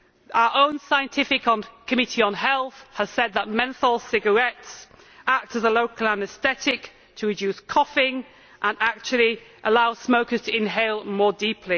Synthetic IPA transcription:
aʊə˞ʔõʊ̃nsaɪə̃ntʰɪfɪkə̃nkʰəmɪtʰiə̃nɦɛlˠθhəz̥sɛd̪̚ðəʔ̚mɛ̃nθəl̩ˠsɪɡəɹɛts | ak̚təzəloʊkəlˠanɨsθɛtɪk | tʰəɹɪd͡ʒjʉˑskʰɒfɪ̃ŋ | ʔə̃nak̚t͡ʃul̩ˠiʔəlaʊsmoʊkəz̥tʰəɪ̃nɦeɪlˠmɔːdiˑpʰli

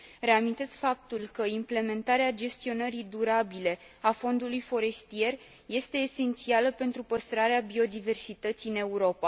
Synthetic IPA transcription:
re̞amint̪e̞skfap̚t̪ulkəimple̞me̞nt̪aɾead͡ʒe̞st̪io̞nəɾid̪uɾabile̞ | afo̞nd̪ulujfo̞ɾe̞st̪ie̞r | je̞st̪e̞ːse̞nt̪sialəpe̞nt̪ɾupəst̪ɾaɾeabio̞d̪ive̞rsit̪ət̪siɨne̞uɾo̞pa

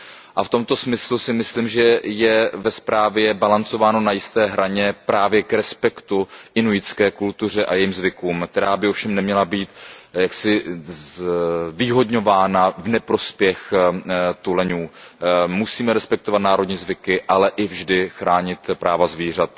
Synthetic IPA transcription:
ʔaft̪omt̪o̞smɪslusɪmɪslimʒɛjɛvɛspɾaːvjɛbalanso̞vaːno̞najɪst̪ɛːɦɾaɲɛpɾaːvjɛkɾɛspɛkt̪uʔɪnujɪt͡skɛːkult̪ur̝ɛʔa̰jɛjiːmzvɪkuːmk̚t̪ɛɾaːbɪʔofʃɛmnɛmɲɛlabiːt̪jaksɪz | viːɦo̞dɲo̞vaːnavnɛpɾo̞spjɛx | t̪ulɛɲuːmusiːmɛɾɛspɛk̚t̪ovat̪naːɾo̞dɲiːzvɪkɪʔalɛʔɪvʒdɪxɾaːɲɪt̪pɾaːvazviːr̝at̪̚

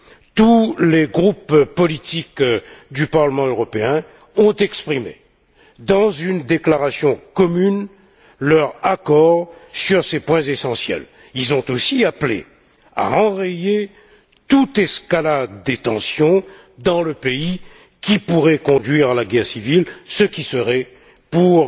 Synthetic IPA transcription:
t̪uleɡʁuppːɔlit̪ikd̪ypaʁləmɑ̃øʁɔpeɛ̃ | ɔ̃t̪ɛkspχimḛ | d̪ɑ̃zynd̪eklaʁasjɔ̃kɔmyn | lœʁakɔʁsyʁsepwɛ̃zesɑ̃sjɛ̰l | ilzɔ̃t̪osiaplḛ | a̰ɑ̃ʁeje | t̪ut̪ɛskalad̪d̪et̪ɑ̃sjɔ̃ | d̪ɑ̃ləpei | kʲipuʁɛkɔ̃d̪ɥiʁalaɡɛʁsivilsəkʲisəʁɛ | puʁ

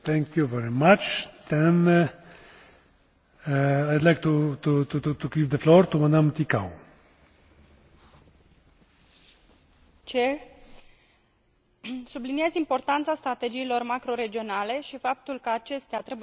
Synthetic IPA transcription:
t̪ɛ̃ŋkʰjuvɛɹimat͡ʃd̪ɛ̃n | ajd̪lajk̚t̪ut̪ut̪ut̪ut̪ukivd̪əfloɾt̪umad̪ãmt̪ika̰w | t͡ʃer | sublinijezimpo̞rt̪ant̪sast̪ɾat̪e̞d͡ʒiːlo̞rmakɾo̞ɾe̞d͡ʒio̞nale̞ʃifap̚t̪ulkəat͡ʃe̞st̪eat̪ɾe̞bu

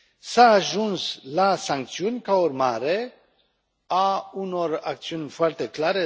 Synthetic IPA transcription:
saːʒunslasaŋk̚t̪siunʲkaurmaɾe̞ | auno̞rak̚t̪siunʲfoart̪e̞klaɾe

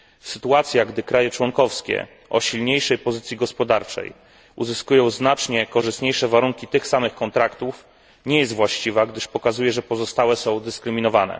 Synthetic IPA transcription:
fsɘt̪uat̪sʲjaɣɡd̪ɘkɾajɛt͡ʂwɔŋkɔfskʲɛ̰ | ʔɔ̰ɕilɲejʂɛjpɔzɘt̪sʲjiɡɔspɔd̪aɾt͡ʂɛ̰j | ṵzɘskujɔ̃w̃znat͡ʂɲɛkɔʐɨst̪ɲejʂɛvaɾuŋkʲit̪ɘxsamɘxkɔnt̪ɾakt̪uf | ɲɛjɛst̪vwaɕt͡ɕivaɡd̪ɘʂpɔkazujɛʐɛpɔzɔst̪awɛsɔ̃w̃d̪ɘskɾɘmʲinɔvanɛ̰

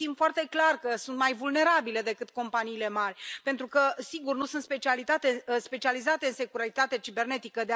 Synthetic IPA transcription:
t̪imfoart̪e̞klarkəsunt̪majvulne̞ɾabile̞d̪e̞kɨt̪ko̞mpaniːle̞marʲpent̪ɾukəsiɡurnusunt̪spe̞t͡ʃialit̪at̪e̞spe̞t͡ʃializat̪e̞ɨnse̞kuɾait̪at̪et͡ʃibe̞rne̞t̪ikəd̪e

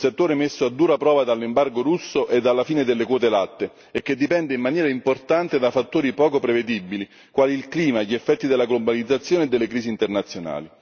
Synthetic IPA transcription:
ilset̪ːoːɾemesːoad̪ːuːɾapɾɔːvad̪alːimbarɡoɾusːoʔed̪alːafiːned̪elːekwɔːt̪elat̪ːe | ɛk̟ːed̪ːipɛnd̪eimːanjɛːɾaimport̪ant̪ed̪afat̪ːoːɾipɔːkopɾeved̪ibːili | kwaːliːlkliːmaʎiɛfːɛt̪ːid̪elːaɡlobalid̪zat̪sːjoːned̪ːelːekɾiːsiːnt̪ernat̪sjona̰ːli

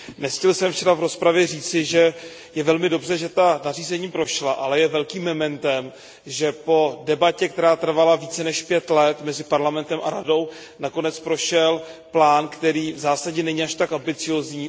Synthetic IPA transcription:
nɛscilsɛmft͡ʃɛɾavɾo̞spɾavjɛriːt͡sɪʒɛ | jɛvɛlmɪdo̞br̝ɛʒɛt̪anariːzɛɲiːpɾo̞ʃlaʔalɛjɛvɛlkiːmːɛmɛnt̪ɛm | ʒɛpo̞dɛbacɛk̚t̪ɛɾaːt̪r̩valaviːt͡sɛnɛʃpjɛt̪lɛt̪mɛzɪpaɾlamɛnt̪ɛmʔaɾado̞w | nako̞nɛt͡spɾo̞ʃɛlplaːnkt̪ɛɾiːvzaːsaɟɛnɛɲiːʔaʃt̪akambɪt͡sɪoːzɲiː

